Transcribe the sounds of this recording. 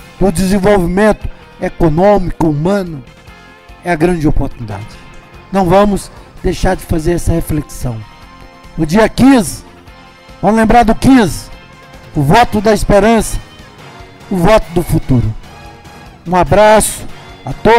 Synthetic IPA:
d̪ʊd͡ʒ̪ɪzẽvowvimẽnt̪ʊ̥ | ekonõmikʊumɐ̃nʊ | ɛɐɡɾɐ̃d͡ʒɪopoɾt̪unid̪a̰d͡ʒɪnɐ̃w̃vɐ̃mʊzd̪ejʃaɾd͡ʒɪfazeɾɛsɐhefleksɐ̃w̃ | ʊd͡ʒiɐkĩzɪ | vɐ̃lẽmbɾaɾd̪ʊkĩzɪ | ʊvɔt̪ʊd̪ɐispeɾɐ̃sɐ̥ | ʊvɔt̪ʊd̪ʊfut̪uɾʊ | ũabɾasʊ̥at̪o

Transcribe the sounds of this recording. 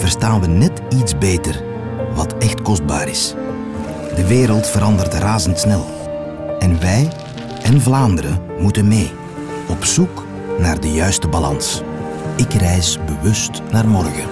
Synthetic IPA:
v̥ərstaːnʋənɛt | idzbeːtər | ʋɑtɛxtkɔzd̚ba̰ːɾɪs | dəʋeːɾəlˠtfəɾɑndərtraːzəntsnɛlˠ | ɛnʋɛj | ʔɛnvlaːndəɾəmutənmeː | ɔpsuk | naːrdəjœɥstəbalɑ̰ns | ɪkrɛjsbəʋʏstnaːrmɔrɣə

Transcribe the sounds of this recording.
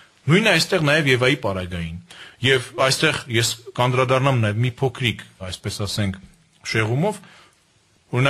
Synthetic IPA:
nujnɛɑjst̪ɛʁnɑjɛvjɛvɑjipɑɾɑɡɑjinjɛvɑjst̪ɛʁjɛskɑnd̪ɾɑd̪ɑrnɑmnɑjɛvmipʰɔkʰɾikʰɑjspɛsɑsɛŋkʰ | ʃɛʁumɔv | ɔɾinɑ

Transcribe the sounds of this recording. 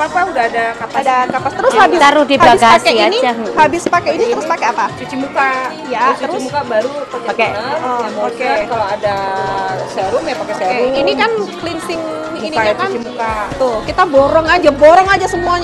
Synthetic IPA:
papaudaadakapadakapast̪əɾʊshabɪst̪aɾudihaaɪskaskɛianiahabɪspakɛinit̪əɾʊspakɛapat͡ʃut͡ʃimuka | jautt͡ʃəɾʊmukabaɾupakpakɛɔaakɛkaloada | sɛɾʊmjapakɛseɛʊinikanklinsɪŋ | iniakant͡ʃimukat̪ʊkit̪abɔɾɔŋad͡ʒabɔɾɔŋad͡ʒasəmuaɲ

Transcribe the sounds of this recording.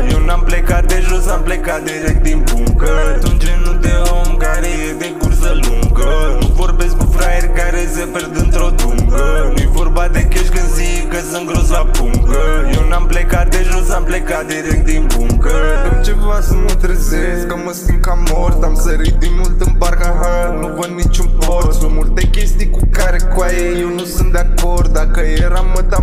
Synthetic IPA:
jewnamplekad̪e̞ʒosamplekat̪̚d̪iɾek̚t̪̚d̪inbuŋkəat̪unt͡ʃenud̪e̞omkaɾejed̪ekursəluŋɡənuvo̞rbe̞sk̚kufɾajerʲkaɾeseperd̪ɨnt̪ɾo̞d̪uŋkənujevo̞rbad̪e̞keʃɡəzikəsɨŋɡɾozabuŋkəjewnamplekaɾd̪eʐuzamplekad̪eɾekd̪imbuŋɡət̪əmt͡ʃebʋasɨmult̪ɾəzeskəməsɨŋkamoɾt̪amsəɾid̪imult̪ɨmbaɾkaɦanuɣənːit͡ʃumpoɾsumult̪ekʲest̪ikukaɾekwajejewnusɨnd̪akoɾd̪akəjeɾamət̪a

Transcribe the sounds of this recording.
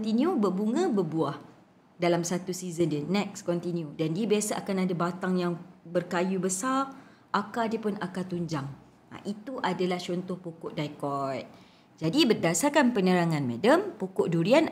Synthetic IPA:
t̪iniubərbuŋãbərbuah | dalamsat̪usizəndənɛk̚skɔnt̪injudandiəbiasaʔakanadabat̪aŋjaŋbərkajubəsar | ʔakadiəpʊnakat̪uɲd͡ʒaŋ | a̰ʔit̪uʔadalaht͡ʃɔnt̪ʊhpukʊʔdajkɔjt̪̚ | d͡ʒadibərdasakanpənəɾaŋãnmɛdəmpukʊʔduɾian

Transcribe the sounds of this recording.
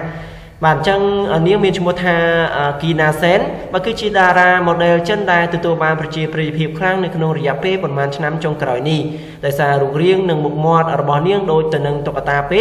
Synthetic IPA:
ɓaːt̪̚t͡ɕəŋʔəːniəŋmiənt͡ɕʰmŭəht̪ʰaːʔəːkiːnaːsɛːnɓaːkɨːt͡ɕiəɗaːɾaːmoːɗɛːlt͡ɕənɗaɛlt̪ɔt̪uəlɓaːnprɑt͡ɕiəprijpʰiəp̚kʰlaŋnɨwkʰnoŋrɔjɛ̆əʔpeːlpɑnmaːnt͡ɕʰnamt͡ɕoŋkraɔjnih | ɗaɔjsaːruək̚riəŋnɨŋmuk̚mŏət̪̚rɔɓɑhniəŋɗoːc̚t̪ɨwnɨŋt̪ok̚ːat̪aːpeː

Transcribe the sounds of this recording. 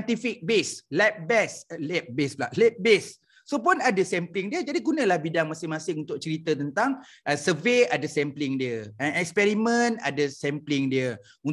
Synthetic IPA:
t̪ifik̚beslɛp̚bɛslɛp̚besblaʔlɛp̚besː | op̬ʊnadəsɛmplɪŋdiəd͡ʒadiɡunə̃lahbidaŋmasɪŋmasɪŋunt̪ʊk̚t͡ʃəɾit̪ət̪ənt̪aŋ | ʔəsəveadəsɛmplɪŋdiəəɛkspɛɾimə̃na̰dəsɛmplɪŋdiə | un

